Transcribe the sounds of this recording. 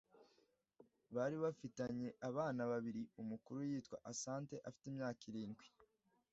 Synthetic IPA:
βaɾiβafitaɲe̞ʔaβaːnaβaβiɾiumukuɾujiːtkwa̰ʔasaːnte̞ʔafi̥temɲaːkiɾiːnɡwi

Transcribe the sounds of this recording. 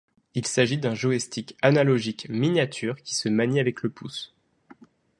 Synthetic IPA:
ilsaʒid̪ɛ̃ʒoest̪ikanalɔʒikminjat̪ʰyːʁkʲi̥səmaɲiavɛkləpus

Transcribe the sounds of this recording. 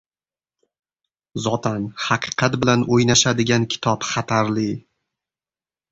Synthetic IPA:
zɒt̪ʰanhɑqʰɨ̥qʰɑt̪bɪlanojnaʃad̪ɪɡʲankʲʰɪ̥t̪ʰɒpχat̪ʰaɾlɪ

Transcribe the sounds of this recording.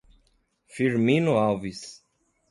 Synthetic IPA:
fiɾminuawvis

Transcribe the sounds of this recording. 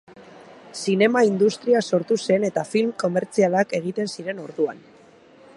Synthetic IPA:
sine̞maind̪ust̪ɾiaso̞ɾt̪use̞ne̞t̪afilmko̞me̞ɾt͡sialake̞ɣ̞it̪e̞nsiɾe̞no̞ɾðua̰n

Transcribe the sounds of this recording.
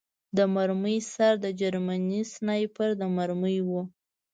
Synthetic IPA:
d̪əmaɾməjsaɾd̪əd͡ʒaɾmanisnajpəɾd̪əmaɾməjwu

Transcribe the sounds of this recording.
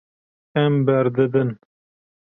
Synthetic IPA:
ɛmbɛɾd̪ɨd̪ɨn

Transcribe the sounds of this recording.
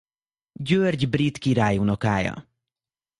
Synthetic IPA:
ɟørɟbrit̪kiɾaːjunokaːjɒ̰

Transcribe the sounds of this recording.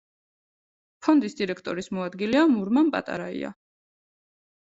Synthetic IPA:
pʰɔnd̪isd̪iɾɛkʰt̪ʼɔɾismɔad̪ɡilɛamuɾmampʼa̰t̪ʼa̰ɾaḭa̰

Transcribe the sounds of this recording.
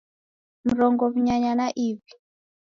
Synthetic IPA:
m̩ɾɔŋɡɔβiɲaɲanaʔiːvi

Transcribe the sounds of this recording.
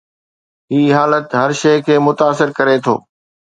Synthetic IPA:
ɦiːɦaːlət̪ɦɐɾʃeːkʰeːmʊt̪aːsɪɾkɐɾet̪ʰo̰ː

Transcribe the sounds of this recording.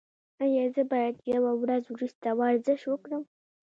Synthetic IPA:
ajɑzəbɑjad̪jawawɾazwɾust̪awɑɾzɪʃwəkɽəm

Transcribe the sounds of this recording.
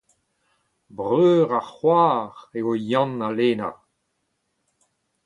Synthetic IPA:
bʁøːʁaχwaːʁeojɑ̃naleːna

